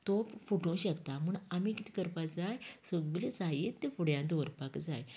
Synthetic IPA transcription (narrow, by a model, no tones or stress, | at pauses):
t̪ofuʈõɕəkt̪amuːɳamikit̪ʰi̥kəɾpad͡zajsəɡɡled͡zajit̪ːefuɽjãnt̪oɾpakd͡zaj